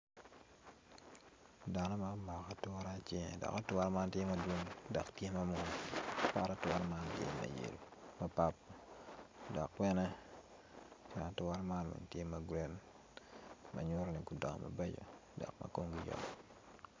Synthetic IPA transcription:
da˨nɔ˦ma˦ma˨ka˨tʊ˦ɾa˦t͡ʃɪŋ̰˨dɔ̰˨ka˦twa˦ɾma˦ntje˦mɐ˨dwo˦ŋda˨ktje˦mɐ˦mʊ | pa˦ɾa˦tɾma˦ntjḛ˦mɐ̰˨jḛ˨lu˨mɐ˨pa˦p̚ː | dɔ˨kwɛ˦nɛ˦ | t͡ʃɛ˨na˨tʊ˦ɾa˦ma˦nma̰˨ntje˦mɐ˨ɡɾɛ˦n | mɐ̰˨ɲʊ˦ɾni˨kʊ˨dɔ˨ŋ̰˨mʔɐ̰˨be˦d͡ʒo̰˨da̰˨kmɐ̰˨ko˦ŋɡi˦d͡ʒɔ̰

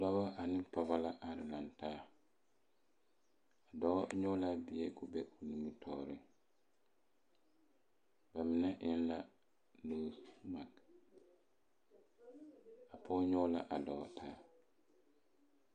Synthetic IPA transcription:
dɔ˦bɔ˦a˨nɪ˦pɔ˨ba˦la˦ʔa˨ɾɪ˨la˨ntaː˦ | a˨dɔ˨˦ɔ˦ɲɔ˦la˦bɪ˨e˦kʊ˨bɛ˦ʔu˨ni˨mi˦tʰɔ̰ː˦ɾɪ˦ | ba˨mɪ˨nɛ˦ʔɪ˦nla˦ | loː˨˦sma˨k | a˨pʰɔː˦ɲɔ˦la̰˦ʔa˨dɔ˨ɔ˦tʰaː˦

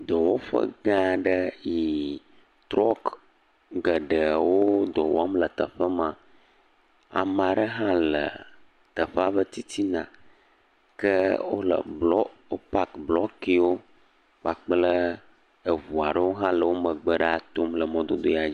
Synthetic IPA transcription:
d̪ɔ˨wo˦ɸə̰˦ɡã˦ɖə˦ji˨ | t̪ɾɔ˦k | ɡə˨ɖə˨wo˦d̪ɔ˨w̰a˦mlə˨t̪ə˨ɸə˦mã˨ | a̰˨ma˨ɖə˦ɦã˦lə̰˨ | t̪ə˨ɸə˦a˦ɸə˦t̪i˦t̪i˦nã˨ | kə˦wo̰˦lə̰˨blɔ˦wo˦pa˦kblɔ˦ki˦wo˦ | k͡pa˨k͡plə˦ | ə˨vu˨a˨ɖə˦wo˦ɦã˦lə˨wo˦mə̃˨ɡ͡bə˨ɖa˨t̪o˦mlə˨mɔ̃˦d̪o˦d̪o˦ja˨d͡ʑi˦

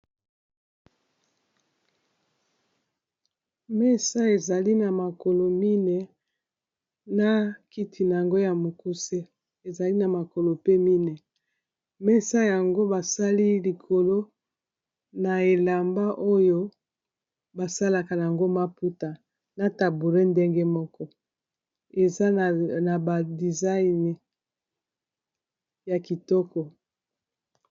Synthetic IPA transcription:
mɛ˦sa˦e˨za˨li˦na˨ma˨ko˨lo˨mi˦ne˨ | na˦ki˦tʰi˨na˨ja˨ŋɡo˦ja˨mo˨ku˦se˦ | e˨za˨li˦na˨ma˨ko˨lo˨pe˦mi˦ne˨ | mɛ˦sa˦ja˨ŋɡo˦ba˨sa˦li˦li˨kʰo˨lo˦ | na˨e˨la˨mba˦ʔo˦jo˦ | ba˨sa˦la˨ka˨a˨a˨ŋɡo˦ma˦pu˦ta˨ | na˨ta˨bu˨le˦nde˦ŋɡe˦mɔ˦kɔ˦ | e˨za˦˨na˨ba˨di˨za˦i˨n˨ | ja˨ki˨tɔ˦kɔ˨

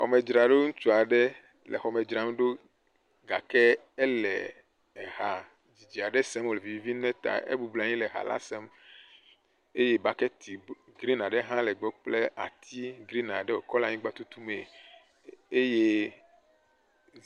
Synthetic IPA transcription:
xɔ̰˨me˨d͡ʒɾa˨ɖo˦ŋũ˦t͡ʃu˦a˨ɖɛ˦ | lʔɛ̰˨xɔ˨mɛ˨d͡ʒɾa˨m˦ɖo˦ | ɡa̰˨kɛ˦ | ɛ˦lɛ̰˨ | ɛ˨ɦa˨ | d͡ʑi˨d͡ʒi˨a˨ɖɛ˦sɛ˦m˦o˨le˨vi˦vi˦vi˦nɛ̃˦t̪a̰˨ʔḛ˦bu˨bla˨ɲĩ˦lɛ˨ɦa̰˨la̰˦sɛ˦m | e˦je˦ba˦kɛ˦t̪i˨ɡɾi˦na˨ɖɛ˦ɦã˦lɛ˨ɡ͡bɔ˦k͡ple˦ʔa̰˨t̪ʰi˦ɡɾi˦nã˨ɖɛ˦wo̰˨kɔ˦la˨ɲĩ˦ɡ͡ba˦t̪u˦t̪u˦me˨ | e˦je˦

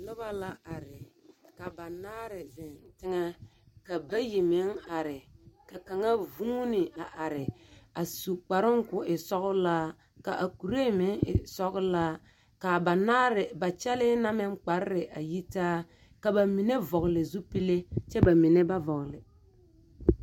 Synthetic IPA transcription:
lʊ˦ba˦la˦a˨ɾɪ˨ka˨ba˨naː˦ɾɪ˨zɪ˨n˨tɪ˦ŋɛ˦ka˨ba˦ji˨mɪ˦ŋa˨ɾɪ˨ka˨ka˨ŋa˦vu˦nɪ˨a˨ʔa˨ɾɪ˨a˨su˨k͡pa˨ɾɪ˦ŋ˦kʊ˨ʔɪ˨sɔ˦ɣʊ˦laː˦ | ka̰˨ʔa˨ku˨ɾe˦˨mɪ˨˦ŋɪ̰˨sɔ˦kʊ˦laː˦ | ka˨ba˨naː˦ɾɪ˨ba˨t͡ʃɛ˦lɪ˦na˦mɛ˦ŋ˦k͡pa˨˦ɾɪ˦ɾɪ˨ʔa˨ji˦taː˦ | ka˨ba˨mi˨ne˦vɔ˨ɣlɪ˨zu˦pi˦le˦t͡ʃɛ˦ba˨mɪ˨ne˦ba˦vɔ˨klɪ˨

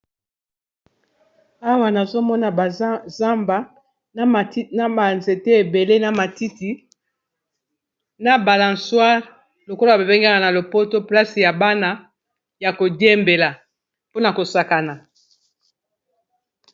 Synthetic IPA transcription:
a˦wa˦na˨zo˦mɔ˦na˨za˦mba˦ | n˦m˨˦na˦ba˨nze˨te˦e˨be˨le˦na˨ma˨ti˦ti˨ | na˨ba˨la˨nswa˦ʁ | lo˨ko˦lo˦˨a˨be˨bɛ˦ŋɡa˦ŋa˨na˨lo˨po˦to˦pla˦si˨ja˨ba˦na˦ | ja˨ko˨dje˦mbe˨la˨ | po˦na˨ko˨sa˨ka˨na˨

